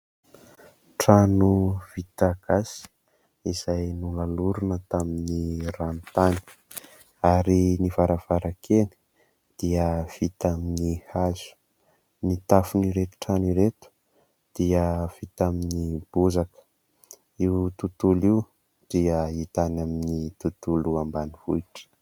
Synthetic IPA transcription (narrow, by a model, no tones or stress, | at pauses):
ʈ͡ʂanuv̥it̪aɡ̥asi̥ | iz̥ajnulaluɾunət̪aminirant̪ani̥ | aɾinivaɾav̥aɾakeni̥ | d̪̥iəv̥it̪aminihazu̥ | nit̪afuniɾet̪u̥ʈ͡ʂaniɾet̪u̥ | d̪̥iəv̥it̪aminib̥uzakə̥ | iwt̪ut̪uliw | d̪̥iəit̪anaminit̪ut̪uluambanivuiʈ͡ʂə̥